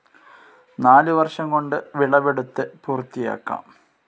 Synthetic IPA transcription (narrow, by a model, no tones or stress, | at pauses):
naːlɨʋɐrʂɐŋko̞ɳɖɨʋiɭɐʋeɽut̪ːepuːrt̪ːija̰ːkːa̰ːm